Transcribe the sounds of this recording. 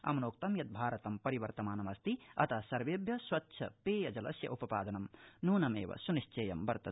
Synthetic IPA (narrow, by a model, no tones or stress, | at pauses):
ɐ̰mɐnoːk̚t̪ɐmjɐt̪̚bʱaːɾɐt̪ɐmpɐɾiʋɐɾt̪ɐmaːnɐmɐst̪iɐt̪ʰasɐɾʋebjɐswɐtːʃʰɐpeːjɐd͡ʒɐlɐsjɐ̰ʔupɐpaːd̪ɐnɐmnuːnɐmḛːʋɐ̰suniʃt͡ʃeːjɐmbɐɾt̪ɐ